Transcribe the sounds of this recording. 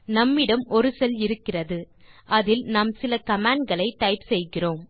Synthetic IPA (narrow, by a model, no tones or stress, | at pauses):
nɐmːɪɽɐmɔɾɯsɛlɪɾɯkːɪrɐðɯ | ʔɐðɪlnaːmsɪlɐkɐmaːɳɖ̚ɡɐɭɐɪʈːɐɪpsɛjɣɪroːm